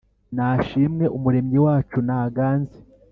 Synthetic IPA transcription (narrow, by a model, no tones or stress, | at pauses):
naʃiːmŋe̞ʔumuɾe̞mɲiwaːt͡ʃunaɡaːnzi̥